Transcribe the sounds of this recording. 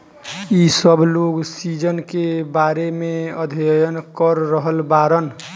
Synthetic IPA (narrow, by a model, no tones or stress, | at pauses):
isəbʱloɡsid͡ʒənkebaɾemeəd̪ʱjənkəɾːəɦəlbaɾən